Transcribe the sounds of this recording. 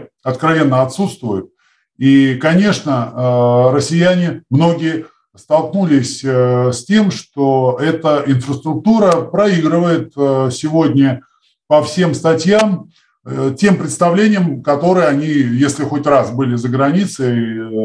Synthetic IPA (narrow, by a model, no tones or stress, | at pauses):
ɐt̪kɾɐvʲe̞nːəɐt̪sut̪st̪vʊjʊt̪̚ | ikɐnʲe̞ʂnə | ɾəsʲɪjænʲɪmno̞ɡʲɪjə | st̪ɐlˠknulʲɪsʲsʲtʲe̞mʂt̪oɛt̪əʔɪnfɾəst̪ɾʊk̚t̪uɾəpɾɐiɡɾɨvəjɪt̪sʲɪvo̞dʲnʲə | pɐfsʲe̞mst̪ɐtʲjam | tʲe̞mpɾʲɪt̪st̪ɐvlʲenʲɪjəmkɐt̪o̞ɾɨjəɐnʲijesʲlʲɪxo̞tʲrasbɨlʲɪzəɡɾɐnʲit̪sɨ